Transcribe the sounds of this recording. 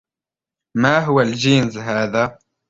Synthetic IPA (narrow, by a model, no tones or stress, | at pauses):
maɦʊwald͡ʒiːnzɦaːða